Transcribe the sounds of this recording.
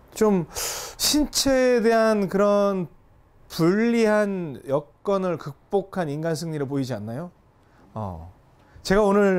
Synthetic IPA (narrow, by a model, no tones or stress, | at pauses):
t͡ɕomɕʰint͡ɕʰeːde̞ɦankɯɾʌn | puɭːiɦanjʌk̚k͈ʌnɯɭkɯk̚p͈okʰaninɡansʰɯŋɲiɾɯɭpoid͡ʑianːajo | ʌ̰ | t͡ɕe̞ɡaonɯɭ